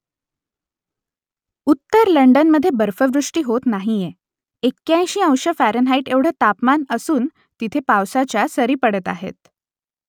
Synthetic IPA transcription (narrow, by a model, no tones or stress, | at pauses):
ut̪ːəɾləɳɖənməd̪ʱːjebəɾfəʋɾuʂʈiːɦot̪naɦije | ekːjãj̃ɕiːə̃w̃ɕəfæɾənɦaiʈeʋɽ̤ət̪apmanəsuːn | t̪it̪ʰepawsat͡ɕjasəɾiːpəɽət̪a̰ɦḛt̪̚